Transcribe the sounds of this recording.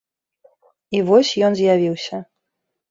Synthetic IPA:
ivɔsʲjɔnzʲjavʲiwsʲɐ

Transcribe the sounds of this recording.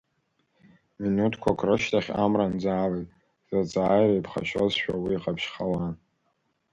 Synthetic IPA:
minutʰkʷʰakʷʰrɨʃtʰaχʲamrand͡zaːlejtʼ | zat͡sʼaːjɾaipʰχa̰ʃʷozʃᶣawiːqʼapʰʃχawan

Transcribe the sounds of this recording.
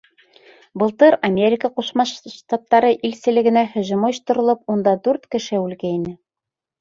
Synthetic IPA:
bɤ̆lˠt̪ɤɾɐmʲeɾʲɪkəquʃmɑʃʃt̪ɑt̪ːɑɾɤʔilsɘ̆lɘ̆ɡɘ̆næhɵ̆ʑumŏjɤ̆ʃt̪ŏɾŏlˠɤp̚und̪ɑd̪ʉɾt̪kɘ̆ʃɘʉlɡæinɘ

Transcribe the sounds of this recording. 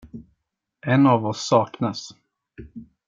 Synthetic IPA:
ʔɛnavɔsːɑːknas

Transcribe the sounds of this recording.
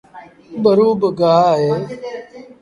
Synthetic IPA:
bəɾuːbɡaːɦeː

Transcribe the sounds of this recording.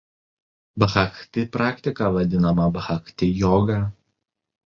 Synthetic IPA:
bɐxɐkt̪ʲɪpɾɑːkt̪ʲɪkɑːʋɐd̪ʲɪnɐmɐbɐxɐkt̪ʲɪjɔːɡɑ

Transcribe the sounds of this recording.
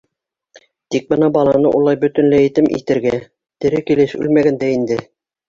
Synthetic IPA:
t̪ik̚bɤnɑbɑlˠɑnɤʔṵlˠɑjbɵ̆t̪ɵ̆nlɘet̪ɘmʔḭt̪ɘ̆ɾɡæ | t̪ɘ̆ɾɘkilɘʃʉ̰lmæɡænd̪æind̪ɘ

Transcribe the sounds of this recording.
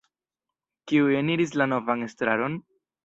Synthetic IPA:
kiue̞niɾis̬lano̞vaŋe̞stɾa̰ɾo̞n

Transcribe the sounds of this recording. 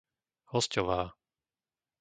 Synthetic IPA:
hɔscɔʋaː

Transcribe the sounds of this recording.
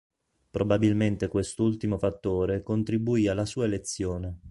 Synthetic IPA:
pɾobabilment̪ekwest̪ult̪imofat̪ːoːɾekont̪ɾibuiːalːasuːaelet̪sːjoːne

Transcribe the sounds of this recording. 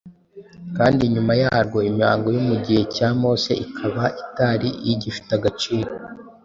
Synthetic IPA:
kaːndiɲumajaːɾɡo̞imɲaːŋɡo̞jomuɟihe̞caːmo̞ːse̞̰ikʰaβaʔitaɾiiɟifi̥taɡat͡ʃiːɾo

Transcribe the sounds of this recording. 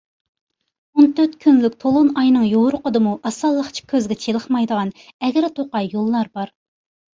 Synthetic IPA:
ont̪ʰøɾt̪kʲʰynlykʲt̪ʰolˠonɑjnɨŋjowɾʊqəd̪ɨmuʔɑsɑlˠːəχt͡ʃʰi̥kʲʰːøzɡʲɛt͡ʃʰelˠəχmɑjd̪əʁɑnɛɡʲæɾt̪ʰoqɑjːolˠːɑɾbɑɾ

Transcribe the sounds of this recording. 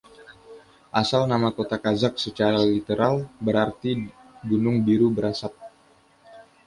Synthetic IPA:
ʔasalnamakot̪akazak̚sət͡ʃaɾalit̪əɾalbəɾart̪iɡunʊŋbiɾubəɾasap̚

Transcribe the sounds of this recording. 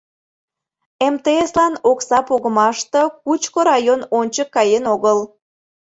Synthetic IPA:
emt̪eeslɑnoksɑpoɣəmɑʃt̪əkut͡ɕkoɾɑjononʲt͡ɕəkːɑjenoɣəl

